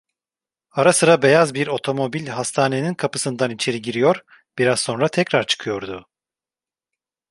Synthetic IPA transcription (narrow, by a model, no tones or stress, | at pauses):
aɾasɯɾabe̞jazbiɾo̞t̪ʰo̞mo̞bilʲɦast̪ʰaːne̞ninkʰapɯ̥sɯnd̪anit͡ʃʰe̞ɾiɟiɾijo̞ɾ | b̥iɾazso̞nɾat̪ʰɛcɾaɾt͡ʃʰɯ̥kʰɯjo̞ɾd̪ʊ